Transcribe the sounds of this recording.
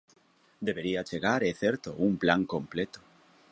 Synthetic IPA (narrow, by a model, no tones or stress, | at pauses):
d̪eβeɾiat͡ʃeɣaɾeθeɾt̪oumplaŋkõmplet̪o̥